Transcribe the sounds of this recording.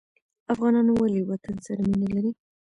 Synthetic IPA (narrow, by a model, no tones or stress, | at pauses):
afɣɑnɑnwaliwat̪ənsaɾaminalaɾi